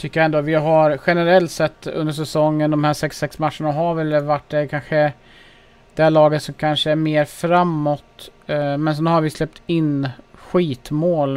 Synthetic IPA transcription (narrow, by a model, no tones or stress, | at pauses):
t̪ʰʏkːəjaɛnd̪oːvɪɦaɾɧɛnəɾɛlt̪sɛt̪ːɵ̰nd̪əʂ̬ɛsɔŋːənd̪ɔmhæːʂɛksɛksmatʂəɳaɦaɾvɛlːəvaʈːɖɛkʰanɧə | d̪̥ɛæɭɑːɡət̪sɔmkʰanʂəæɾmeːɾfɾamːɔt̪mɛnsɛnhaɾvɪslɛp̚t̪ʰɪnɧiːt̪moːl